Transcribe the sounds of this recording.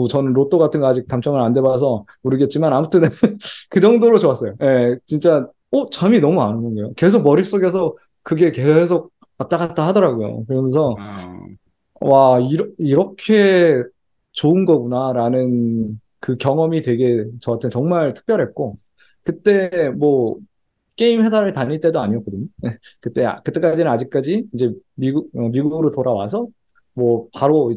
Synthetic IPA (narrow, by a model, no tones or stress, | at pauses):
ut͡ɕʌnɯnɾot͈oɡatʰɯnɡʌad͡ʑik̚t͈amt͡ɕʰʌŋɯɭande̞bas̬ʰʌ | muɾɯɡe̞t̚t͡ɕ͈imanamutʰɯnkɯd͡ʑʌŋdoɾot͡ɕowas͈ʌjoje̞t͡ɕint͡ɕ͈a | ot͡ɕaminʌmuanɯnɡʌnɡʌjoke̞s̬ʰok̚mʌɾiɭs͈oɡe̞s̬ʰʌ | kɯɡe̞ke̞s̬ʰok̚ | pat͈̚aɡat̚t͈aɦadʌɾaɡojo̰kɯɾʌnsʰʌ | waiɾʌiɾʌkʰe̞ | t͡ɕoɯnɡʌɡunaɾanɯn | kɯkjʌŋʌmitwe̞ɡe̞t͡ɕʌatʰɯnt͡ɕʌŋmaɭtʰɯ̥k̚p͈jʌɾɦet̚k͈o | kɯt͈e̞mwʌ | k͈e̞imɸe̞sʰaɾɯɭtaɲiɭt͈e̞doaɲiʌk͈ʌdɯɲojekɯt͈e̞a̰kɯt͈e̞k͈ad͡ʑinɯnad͡ʑik̚k͈ad͡ʑiind͡ʑe̞miɡuɡ̚ʌmiɡuɡɯɾotoɾawa̰s̬ʰʌ | mwʌpaɾoi